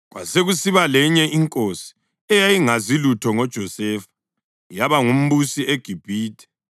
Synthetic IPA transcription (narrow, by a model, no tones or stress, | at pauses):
ɣwa̰seɣusiβalɛɲɛiŋkʼosi̥ | ɛjajiŋazilutʰɔŋɔd̥ʒ̥ʱɔsɛːfḁ | jaβaŋum̩βusieɡ̥ʱib̥ʱiːtʰʼɛ̥